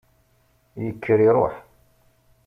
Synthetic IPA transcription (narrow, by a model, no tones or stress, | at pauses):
jəkːəɾiɾˤo̰ħ